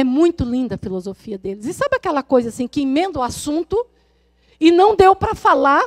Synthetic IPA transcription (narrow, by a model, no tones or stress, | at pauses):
ɛmũj̃t̪ʊlĩnd̪ɐfilozofiɐd̪elɪzɪsabɪakɛlɐkojzɐasĩkɪĩmẽnd̪ʊasũnt̪ʊ | ɪnɐ̃w̃d̪ewpɾɐfala